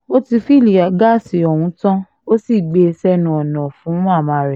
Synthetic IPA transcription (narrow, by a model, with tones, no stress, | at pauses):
o˦ti˧fi˦˨li˨a˨ɡa˦˨si˨ɔ˨w̃ũ˨˧˦tã˦ | o˦si˦˨ɡ͡be˧sɛ˦nũ˧˨ɔ˨nɔ̃˨fũ˨˦a˦˨mã˨˧˦ɾɛ˨